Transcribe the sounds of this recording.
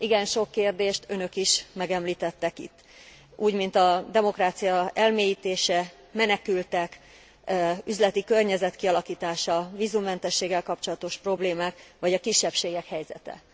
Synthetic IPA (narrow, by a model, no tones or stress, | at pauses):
iɡɛnʃo̞kːeːrd̪eːʃt̪ʰø̞nø̞kiʃmɛɡɛmliːt̪ɛt̪ːɛkḭt̪ː | ʔuːɟmint̪ɒd̪ɛmo̞kraːt̪sijɒɛlmeːjiːt̪eːʃɛ | mɛnɛkylt̪ɛk | yzlɛt̪ikø̞rɲɛzɛt̪kiɒlɒkiːt̪aːʃɒviːzumːɛnt̪ɛʃːeːɡːɛlkɒpt͡ʃo̞lɒt̪o̞ʃpro̞bleːmaːkʋɒɟɒkiʃːɛpʃeːɡɛkhɛjzɛ̰t̪ɛ̰